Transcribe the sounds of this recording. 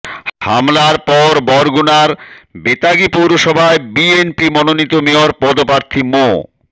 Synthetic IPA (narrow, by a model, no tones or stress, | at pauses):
ha̰mlaɾpɔɾbɔɾɡunaɾbet̪aɡipowɾoʃɔbʱaebienpimɔnonit̪omeoɾpɔd̪opaɾt̪ʰimo